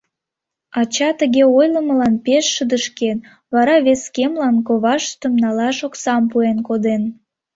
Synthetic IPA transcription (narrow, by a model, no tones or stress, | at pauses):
ɑt͡ɕɑt̪əɣeojləməlɑnpeʃːəd̪əʃken | βɑɾɑβeskemlɑnkoβɑʃt̪əmnɑlɑʃoksɑmpuenkod̪en